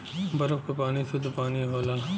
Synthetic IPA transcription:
bɐɾəbkopaːnised̪opaːniɦoːlaː

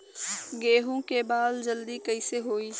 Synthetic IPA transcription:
ɡeːɦõkebaːld͡ʒɐld̪ikɐiseɦoːiː

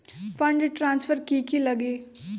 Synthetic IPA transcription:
fʰə̃ɳɖʈɾãːnsfʰəɾkiːkiləɡeː

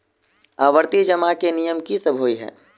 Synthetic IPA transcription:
aːʋəɾt̪id͡ʒəmakenijəmkisəbʱoːiɦɛ̰ː

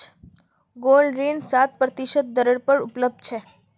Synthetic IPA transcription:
ɡolɖɾensat̪̚pɾət̪iʃət̪̚d̪əɾəɽpəɾʊpləb̚d̪̚t͡ʃʰe

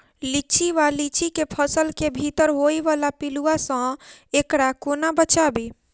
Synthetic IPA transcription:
lit͡ʃiʋalit͡ʃikepʰəsəlkebʱit̪əɾɦojʋalapiluasə̃ekɽakonabət͡ʃabe

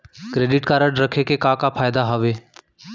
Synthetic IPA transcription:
kɾeːɖɪʈkaɾəɖɾəkʰekekãkapʰaːɪd̪aɦəʋeː

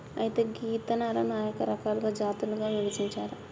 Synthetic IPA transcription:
ɐjit̪e̞ːɡiːt̪ɐnaːɾɐnaːjɐkɐɾɐkaːlɐɡoːd͡ʒaːt̪uluɡaːʋiʋɐd͡ʒiɲt͡ʃaːɾɐ

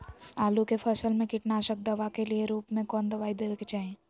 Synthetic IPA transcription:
aːlukepʰɐsəlmẽkɪʈnaːʃək̚d̪ɐʋakelieɾuːpmẽkɔːnd̪ɐʋaːid̪eːʋeket͡ʃaːɦẽː

